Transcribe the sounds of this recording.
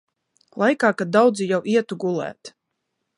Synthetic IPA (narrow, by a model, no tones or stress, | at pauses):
lˠajkaːkad̪̚ːawd̪zijawʔiɛt̪uɡulˠæ̰ːt̪